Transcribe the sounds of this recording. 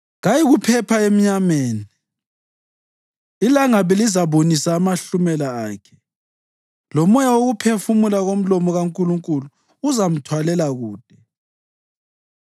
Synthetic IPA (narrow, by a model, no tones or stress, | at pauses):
ɣajiɣupʰɛpʰaem̩ɲameːni | ilaŋaβɛlizaβonisaːmaɬumɛlaaːkʰɛ̥ | lɔmɔjawoɣupʰefumulaɣom̩lɔmɔɣaŋkʼuluŋkʼuluː | zam̩tʰwalɛlaɣuːd̥ʱɛ